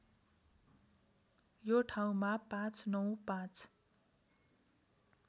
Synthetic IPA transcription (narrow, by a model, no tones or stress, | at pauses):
joʈʰaw̃mapãt͡sʰnʌw̃pãt͡s